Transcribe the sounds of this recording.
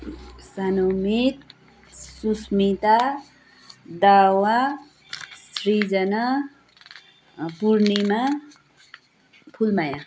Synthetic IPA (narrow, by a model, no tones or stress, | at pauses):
sanomit̪̚ | susmit̪a | d̪awa | srid͡zʌna | puɾnema | pʰulmajã